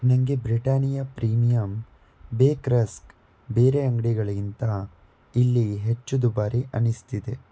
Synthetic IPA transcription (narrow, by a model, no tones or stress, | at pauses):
nɐŋɡebɾiʈaːnijɐpɾiːmijɐm | beːkɾɐsk | be̞ːɾeɐŋɡɐɽiɡɐɭɐint̪ɐ | ilːiɦet͡ʃːud̪ubaːɾiʔɐnist̪id̪e